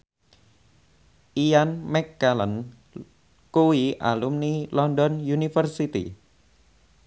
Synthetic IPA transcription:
ʔijanmɛkːalən | kuwiʔa̰lumnilɔndɔnjunifərsit̪ḭ

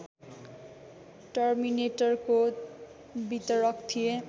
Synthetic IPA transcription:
ʈʌrmineʈʌrko | bit̪ʌɾʌkt̪ʰije

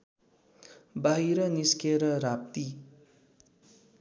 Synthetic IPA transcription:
baɦiɾʌniskeɾʌɾap̚t̪i

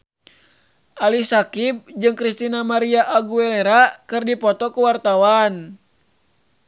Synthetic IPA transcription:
ʔalisakib̚d͡ʒɨŋkɾist̪inamaɾiaʔaɡuɛleɾakɨrdipɔt̪ɔkuwart̪awan

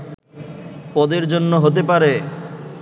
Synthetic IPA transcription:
pɔd̪eɾd͡ʑonːoɦot̪epaɾe

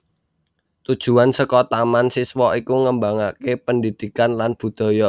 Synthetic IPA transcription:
t̪ud̥ʒ̥ṳansəkɔt̪amansiswɔikuŋəmbaŋakepəndid̪̥i̤kanlanb̥ṳd̪̥ɔ̤jɔ

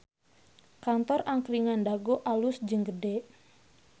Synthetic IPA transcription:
kant̪ɔraŋkɾiŋandaɡoʔalʊsd͡ʒəŋɡəɖeʔ

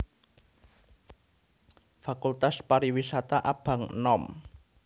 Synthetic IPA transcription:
fakult̪aspaɾiwisat̪aʔab̥a̤ŋnɔm

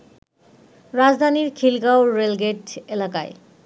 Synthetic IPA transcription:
ɾad͡zd̪ʱaniɾkʰilɡawːelɡeʈelaka̰e

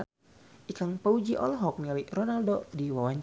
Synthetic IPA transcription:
ʔikaŋpaud͡ʒiʔɔ̰lɦɔk̚nialiʔrɔnaldodiwawaɲt͡ʃ

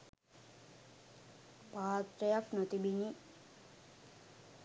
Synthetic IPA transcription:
paːt̪ɾəjaknot̪ibiɲi

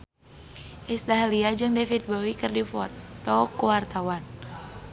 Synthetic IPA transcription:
ʔist̪aɦaliad͡ʒɨŋdefit̪̚bowikɨrdifɔt̪ːɔkuwart̪awan

